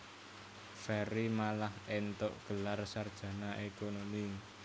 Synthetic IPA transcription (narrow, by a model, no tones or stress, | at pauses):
fɛɾimalahent̪oʔɡ̥ə̤larsard̥ʒ̥ä̤naʔekonomi